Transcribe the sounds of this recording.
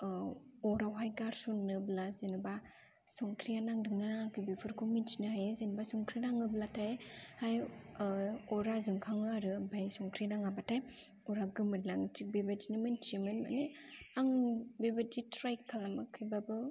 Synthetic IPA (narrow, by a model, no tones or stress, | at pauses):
ɔɾawɦajɡaɾsunɯblazenɯba | sɔŋkʰɾijanaŋdɯŋnɯnaŋakʰɯbipʰɯɾkʰuminsinɯɦajzenbasɔŋkʰɾinaŋɯblatʰajhaj | ɔɾazuŋkʰaŋɯaɾɯbajsɔŋkʰɾinaŋabatʰaj | ɔɾaɡɯmɯɾnaŋtik̚bebadinɯmantimɯnma̰neaŋbebaditɾajkʰːalamakʰɯjbabɯ